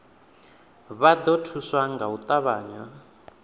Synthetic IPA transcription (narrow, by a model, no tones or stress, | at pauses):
βad̪ɔtʰuswaŋɡaut̪aβaːɲwa